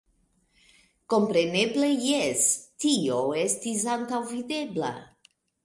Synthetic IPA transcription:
ko̞mpɾe̞ne̞ble̞jestio̞e̞stis̬antawvide̞bla̰

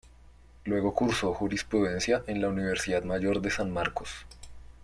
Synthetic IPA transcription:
lwe̞ɣo̞kuɾso̞xuɾispɾuðe̞nsjaʔe̞nlauniβe̞ɾsiðaðmaʝo̞ɾd̪e̞sanmaɾko̞s

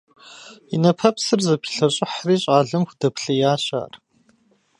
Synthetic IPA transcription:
inɐpʰɐpsɨrzɐpʰi̥ɬɐɕʼɪħriːɕʼaːɮɨmxʷdɐpʰɬɐjaːɕa̰ːr

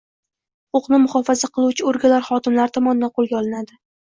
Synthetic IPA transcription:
hʊqʊqnɪmʊχɒfazaqʰɨlˠuwt͡ʃʰɪoɾɡʲalaɾχɒt̪ɪmlaɾɪt̪ʰɒmɒnɪd̪anqʰolˠɡʲaɒlˠɪnad̪ɪ

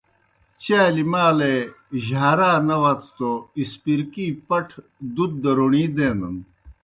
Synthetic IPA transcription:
t͡ɕaːlimaːle | ʑaːɾaːnɐʋɐt͡sʰt̪oispiɾkiːpɐʈʰ | d̪ud̪̚ːɐɾoɳiːd̪eːnɐn

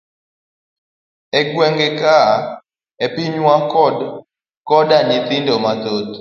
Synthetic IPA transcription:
ɛɡwɛŋɡɛka | epiɲwakɔd | kɔdaɲɪt̪ɪndomat̪ot̪

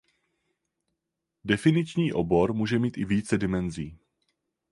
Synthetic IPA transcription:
dɛfɪnɪt͡ʃɲiːʔobo̞ɾmuːʒɛmiːt̪ɪviːt͡sɛdɪmɛnziː

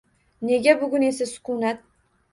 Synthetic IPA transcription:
ne̞ɡʲabʊɡʲʊne̞sasʊ̥kʊnat̪̚

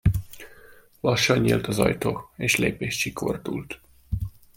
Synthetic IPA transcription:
lɒʃːɒɲːḭlt̪ɒzɒ̰jt̪oːeːʃlḛːpeːʃt͡ʃikʰo̞̰rd̪ult̪

